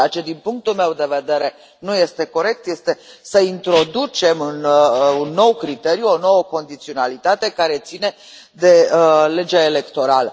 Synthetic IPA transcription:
at͡ʃed̪inpuŋk̚t̪ulme̞wd̪e̞ve̞d̪e̞ɾe̞ | nuje̞st̪e̞ko̞ɾe̞k̚t̪je̞st̪e̞səint̪ɾo̞d̪ut͡ʃe̞mɨnunːo̞wkɾit̪e̞ɾijuo̞no̞wəko̞nd̪it̪sio̞nalit̪at̪e̞kaɾe̞t̪sine̞ | d̪e̞le̞d͡ʒaele̞kt̪o̞ɾalə

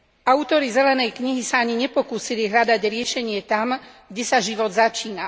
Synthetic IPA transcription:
ʔaut̪ɔɾizɛlɛnɛjkɲiɦisaaɲiɲɛpɔkuːsiliɦʎad̪aɟɾɪɛʃɛɲɪɛt̪amɡɟɛsaʒiʋɔd̪zat͡ʃiːna

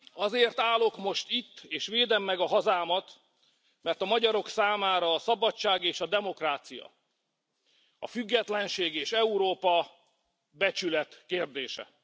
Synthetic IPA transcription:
ɒzeːrt̪aːlo̞kmo̞ʃt̪it̪ːeːʃʋeːd̪ɛmːɛɡɒɦɒzaːmɒt̪ | mɛrt̪ɒmɒɟɒɾo̞ksaːmaːɾɒːsɒbɒt͡ʃːaːɡeːʃɒd̪ɛmo̞kraːt̪sijɒ̰ | ɒ̰fyɡːɛt̪lɛnʃeːɡeːʃɛuɾoːpɒ | bɛt͡ʃylɛt̪keːrd̪eːʃɛ̰

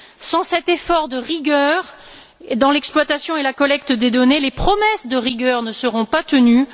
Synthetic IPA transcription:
sɑ̃sɛt̪efɔʁd̪əʁiɡʲœʁ | ed̪ɑ̃lɛksplwat̪asjɔ̃elakɔlɛkt̪d̪ed̪ɔnelepχɔmɛsd̪əʁiɡœʁnəsəʁɔ̃pat̪əny

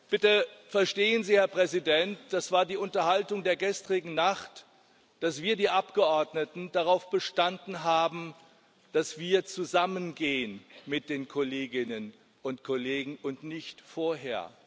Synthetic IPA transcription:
b̥ɪtəfɛɐʃteːənziːhɛɐpʁ̥ɛzidɛntd̥asv̥aːɐdiːʊntɐhaltʊŋdeːɐɡɛstʁ̥ɪɡŋ̩naχt | d̥asv̥iːɐdiːʔapɡ̥əʔɔɐdnətn̩daʁaʊfb̥əʃtandn̩ɦaːbm̩ | d̥asv̥iːɐt͡suzamənɡeːənmɪt̚d̥eːnkʰoleːɡɪnən | ʔʊntkʰoleːɡŋ̩ʊntnɪçtfoːɐɦḛːɐ̰

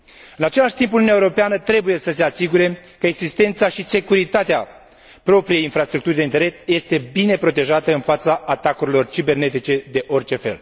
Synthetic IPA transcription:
ɨnat͡ʃe̞laʃt̪imp̬ununjaeuɾo̞peanət̪ɾe̞buje̞səse̞asiɡuɾe̞kəeɡzist̪e̞nt̪saʃise̞kuɾit̪at̪ea | pɾo̞pɾijejinfɾast̪ɾuk̚t̪uɾid̪eint̪eɾe̞sje̞st̪e̞bine̞pɾo̞t̪e̞ʒat̪əɨnfat̪saːt̪akuɾilo̞rt͡ʃibe̞rne̞t̪it͡ʃe̞d̪e̞ʔo̞rʲt͡ʃe̞fe̞̰l

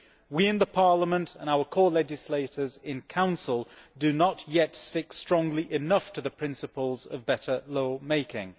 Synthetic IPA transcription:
wiɪ̃nðəpʰɑɹləmə̃ntʰə̰̃naʊə˞kʰɔːlɛd͡ʒɪsleɪɾə˞zɪ̃nkʰãʊ̃nsəlˠdɨnəʔjɛtstɪkstɹ̥ɔ̃ŋliʔɪnʌftʰəðəpʰɹ̥ɪ̃nsəpəlˠzə̰vbɛɾə˞loʊmeɪkɪ̰̃ŋ

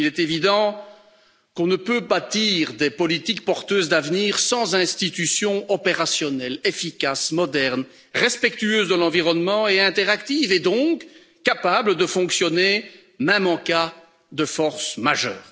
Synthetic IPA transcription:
ilɛt̪evid̪ɑ̃ | kɔ̃nəpøbat̪iːʁd̪epɔlit̪ik̚pɔʁt̪øːzd̪avniːʁsɑ̃zɛ̃st̪it̪ysjɔ̃ɔpeʁasjɔnɛlefikʲasmɔd̪ɛʁn | ʁɛspɛkt̪yøːzd̪əlɑ̃viʁɔnmɑ̃eɛ̃t̪eʁakt̪ived̪ɔ̃k | kːapabləd̪əfɔ̃ksjɔne | mɛmɑ̃ka | d̪əfɔʁsmaʒœːʁ

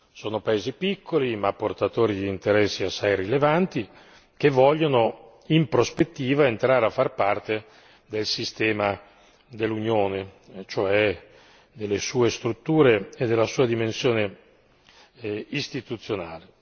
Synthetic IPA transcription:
soːnopaeːzipikːolimapːort̪at̪oːɾid̪iːnt̪eɾɛsːiasːajrilevant̪i | k̟evːɔʎːono | impɾospet̪ːiːvaent̪ɾaːɾeafːarpart̪e | d̪elsist̪ɛːma | d̪elːunjoːnet͡ʃoɛ | d̪elːesuːest̪ɾut̪ːuːɾeed̪ːelːasuːad̪imensjoːne | ist̪it̪ut̪sːjonaːle

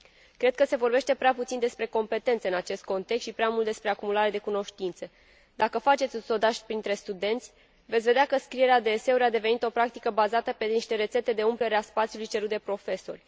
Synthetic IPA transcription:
kɾe̞d̪̚kəse̞vo̞rbe̞ʃt̪e̞pɾeaput̪sind̪e̞spɾe̞ko̞mpe̞t̪e̞nt̪səɨnat͡ʃe̞st̪̚ko̞nt̪eksʃipɾeamult̪d̪e̞spɾe̞akumulaɾe̞d̪e̞kuno̞ʃt̪int̪sə | d̪akəfat͡ʃe̞t̪sʲuso̞d̪aʃpɾint̪ɾe̞st̪ud̪e̞nt̪sʲ | ve̞t̪sʲve̞d̪eakəskɾije̞ɾead̪eːse̞uɾead̪e̞ve̞nit̪o̞pɾak̚t̪ikəbazat̪əpe̞niʃt̪e̞ɾe̞t̪se̞t̪e̞d̪e̞umpleɾeaspat̪sijulujt͡ʃeɾut̪̚d̪e̞pɾo̞fe̞so̞̰rʲ

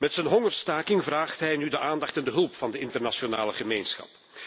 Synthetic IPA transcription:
mɛtsɛnɦɔŋərstaːkɪŋvraːχtɦɛjnydəʔaːndɑχtɛndəɦɵlˠpfɑndəɪntərnasona̰ːləχəmeːnsxɑ̰p

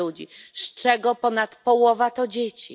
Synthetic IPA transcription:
ud͡ʑḭʂt͡ʂɛɡɔpɔnat̪pɔwɔvat̪ɔd͡ʑet͡ɕḭ

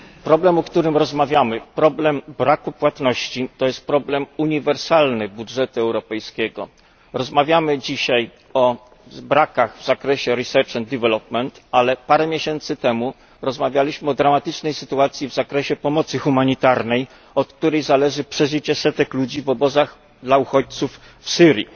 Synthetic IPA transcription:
pɾɔblɛmɔkt̪uɾɘmɾɔzmavʲjamɘpɾɔblɛmbɾakupwat̪nɔɕt͡ɕit̪ɔjɛst̪̚pɾɔblɛmuɲivɛɾsalnɘbudʐɛt̪uɛwɾɔpɛjskʲɛɡɔ̰ | ɾɔzmavʲjamɘd͡ʑiɕaj | ɔ | bɾakaɣvzakɾɛɕɛɾisɛɾt͡ʂɛnd̪ɛvɛlɔpmɛnt̪alɛpaɾɛmʲjeɕɛnt̪sɘt̪ɛmu | ɾɔzmavʲjalʲiɕmɘɔd̪ɾamat̪ɘt͡ʂnɛjsɘt̪uat̪sʲjivzakɾɛɕɛpɔmɔt̪sɘxumaɲit̪aɾnɛj | ɔt̪̚k̚t̪uɾɛjzalɛʐɘpʂɛʐɘt͡ɕɛsɛt̪ɛklud͡ʑivɔbɔzax | d̪lauxɔt͡ɕ̚t̪suf | fsɘɾʲjḭ

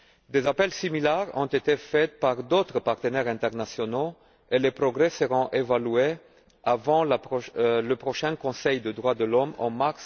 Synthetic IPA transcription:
d̪ezapɛlsimilɛʁɔ̃t̪et̪efɛt̪paʁd̪ot̪χəpaʁt̪ənɛʁɛ̃t̪ɛʁnasjɔno | elepʁɔɡʁɛsəʁɔ̃ʔevalɥe | avɑ̃laləpχɔʃɛ̃kɔ̃sɛjd̪əd̪ʁwad̪əlɔmɑ̰̃maʁs

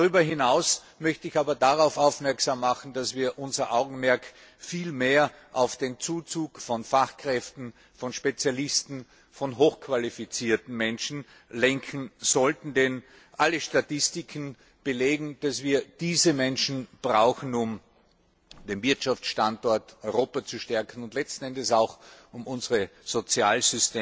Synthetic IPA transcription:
daʁyːbɐɦɪnaʊs | mœçtəɪçaːbɐdaʁaʊfaʊfmɛɐksaːmːaχn̩d̥asv̥iːɐʔʊnzɐʔaʊɡŋ̩mɛɐk | fiːlmeːɐʔaʊfd̥eːnt͡suːt͡suːkfɔnfaχkʁ̥ɛftn̩ | fɔnʃpet͡sjalɪstn̩ | fɔnɦoːxkʰv̥alifit͡siːɐtn̩mɛnʃn̩ | lɛŋkʰn̩zɔltn̩den | ʔaləʃtatɪstɪkʰn | b̥əleːɡŋ̩d̥asv̥iːɐd̥iːzəmɛnʃn̩b̥ʁaʊxn̩ʊm | d̥eːnvɪɐtʃaft͡sʃtantɔɐtɔʏʁoːpat͡suʃtɛɐkʰn̩ʊntlɛt͡stn̩ɛndəsaʊxʊmʊnzəʁəz̥ot͡sjaːlzʏsteː

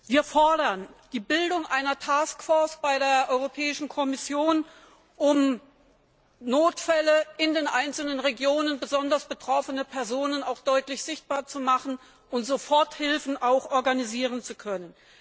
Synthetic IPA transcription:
viːɐfɔɐdɐnd̥iːbɪldʊŋʔaɪnɐtʰaːskfɔɐsb̥aɪɾeːɐʔɔʏʁopʰɛːɪʃn̩kʰɔmɪsjoːn | ʔʊm | noːtfɛləʔɪndeːnʔaɪnt͡sl̩nənʁeɡjoːnənbəzɔndɐsb̥ətʁ̥ɔfənəpʰɛɐzoːnənaʊxd̥ɔʏtlɪçz̥ɪçt̚b̥aːɐt͡sumaχn̩ | ʊntz̥ofɔɐthɪlfn̩ʔaʊxʔɔɐɡaniziːʁ̞ənt͡sukʰœnən

